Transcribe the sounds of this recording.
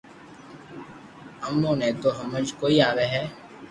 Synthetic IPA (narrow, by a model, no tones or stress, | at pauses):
əmːõːnẽːt̪oːɦəməd͡ʒkoːiːaːʋeːɦɛː